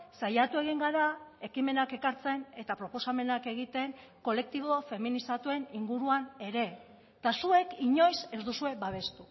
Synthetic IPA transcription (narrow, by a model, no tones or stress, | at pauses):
sajat̪ue̞ɣ̞iŋɡaɾae̞kime̞nake̞kaɾt͡se̞ne̞t̪apɾo̞po̞same̞nake̞ɣ̞it̪e̞ŋ | ko̞le̞k̚t̪iβ̞o̞fe̞minisat̪ue̞niŋɡuɾuane̞ɾe̞ | t̪asue̞kiɲo̞jse̞zd̪usue̞baβ̞e̞st̪u